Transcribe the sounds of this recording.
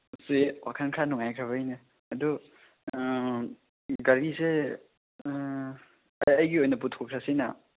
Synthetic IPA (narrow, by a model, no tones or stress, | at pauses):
usiwakʰankʰɾanuŋajkʰɾɐβɐjnɯ | ɐdu | ɡɐɾise | ɐjɡiojnɐp̬utʰɔkʰɾasina̰